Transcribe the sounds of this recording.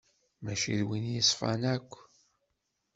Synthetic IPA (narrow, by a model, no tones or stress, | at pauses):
mæʃiðwinjəsˤfɑ̰nækʷː